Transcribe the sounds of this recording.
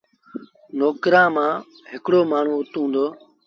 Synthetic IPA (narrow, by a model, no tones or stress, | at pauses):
noːkɾãːmãː | ɦɪkɽoːmaːɳ̤ũːʊt̪ũːnd̪oː